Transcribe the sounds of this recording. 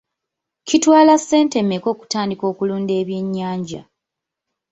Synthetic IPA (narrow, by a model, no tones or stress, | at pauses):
citwaːlasːe̞ːnte̞mːe̞ko̞ːku̥taːndiko̞ːkuluːnde̞ːβje̞ɲːaːɲɟa̰